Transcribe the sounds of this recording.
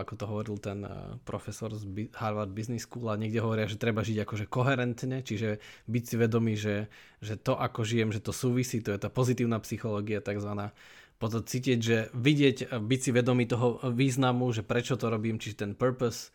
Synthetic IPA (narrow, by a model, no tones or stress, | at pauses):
akɔt̪ɔɦɔʋɔɾilt̪ɛnpɾɔfɛsɔɾzbihaɾʋaɾd̪̚bizniskuːlaɲɛɡɟɛɦɔʋɔɾɪaʒɛt̪ɾɛbaʒiɟakɔʒɛkɔɦɛɾɛnt̪ɲɛt͡ʃiʒɛbicsiʋɛd̪ɔmiːʒɛ | ʒɛt̪ɔʔakɔʒijɛmʒɛt̪ɔsuːʋisiːt̪ɔjɛt̪aːpɔzit̪iːʊnaːpsixɔlɔːɡiat̪aɡzʋanaː | pɔt̪ɔt͡siːciɛɟʒɛʋiɟɪɛɟbicsiʋɛd̪ɔmiːt̪ɔɦɔʋiːznamuʒɛpɾɛt͡ʃɔt̪ɔɾɔbiːmt͡ʃiʒɛt̪ɛnpəɾpɔs